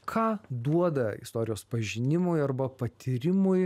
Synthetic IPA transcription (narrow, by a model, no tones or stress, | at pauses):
kʰɑːd̪uɔd̪ɐɪ̰st̪oːɾʲɪjoːspɐʒʲɪnʲɪmʊjɐrbɐpɐt̪ʲʰiːɾʲɪmʊj